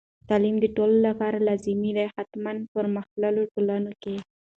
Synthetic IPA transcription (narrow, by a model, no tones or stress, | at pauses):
t̪ɑlimd̪əʈololapɑɾalɑzimid̪ajhat̪manpəɾməxlaloʈolɑnoke